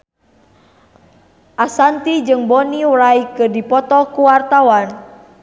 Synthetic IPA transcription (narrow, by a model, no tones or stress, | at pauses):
ʔasant̪id͡ʒɨŋbɔniwɾaikɨrdipɔt̪ɔkuwart̪awan